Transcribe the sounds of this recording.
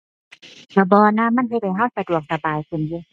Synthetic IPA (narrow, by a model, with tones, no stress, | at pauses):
baː˧˩bɔː˧naː˧˥˨ma˧˥˨nhe˧t̪̚ha˨jɦa˧˥˨wsa˧du˨˩ək̚sa˨˧baː˨˩jkʰɯ˨˩njiː˧˩˨